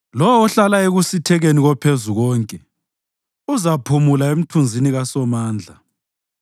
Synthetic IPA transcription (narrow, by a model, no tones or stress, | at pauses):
lɔwɔɔɬalaeɣusitʰɛɣeniɣɔpʰezuɣɔːŋkʼɛ | uzapʰumulaem̩tʰund͡zʱiniɣasɔmaːnd͡ɮʱa̰